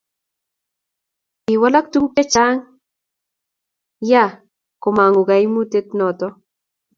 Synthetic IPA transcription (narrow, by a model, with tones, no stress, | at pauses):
i˨wa˦la˦k̚t̪u˦ŋpɛ˦t͡ʃa˦ŋ | ja˦˨ | ko˨ma˨ŋo˨ɡa˨i˦mu˦t̪e˦t̪nɔ˨t̪ɔ˦